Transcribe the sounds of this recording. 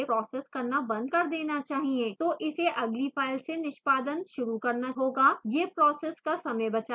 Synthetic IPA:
epɾɔːseːskɐɾnabɐ̃nd̪̚kɐɾd̪eːnat͡ʃaːɦiẽːt̪oːʔɪseʔɐɡlifʰaːɪlsenɪʃpaːd̪ənʃʊɾukɐɾnaɦoːɡaːjeːpɾɔːseːskasɐmə̃jbɐt͡ʃa

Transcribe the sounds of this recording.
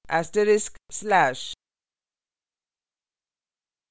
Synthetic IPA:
ʔæsʈəɾɪskslæʃ

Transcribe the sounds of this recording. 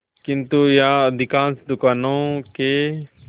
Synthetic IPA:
kɪnt̪ujãːəd̪ʱɪkãːnsd̪ʊkaːnõːkeː

